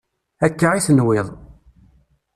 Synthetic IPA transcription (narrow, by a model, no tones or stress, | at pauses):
ækːaʁiθənwɪðˤ